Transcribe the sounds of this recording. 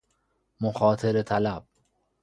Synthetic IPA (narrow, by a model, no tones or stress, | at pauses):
moxɒːt̪ʰeɾet̪ʰælæb̥̚